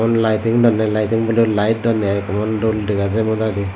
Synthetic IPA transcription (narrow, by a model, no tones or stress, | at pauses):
ɔnlajtiŋdɔnːajlajtiŋbɔlulajt̚dɔnːeajkɔmɔndɔldiɡazemɔdadi